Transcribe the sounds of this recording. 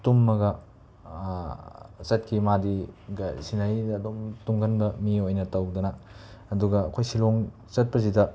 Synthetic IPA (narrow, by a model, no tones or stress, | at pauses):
tumːɐɡɐ | t͡ʃɐt̚kʰimadiɡɐsinajdɐːdomtuŋɡɐnbɐmiojnɐtɐwdɐnɐːduɡɐːkʰojsiloŋ | t͡ʃɐt̚pɐs̬idɐ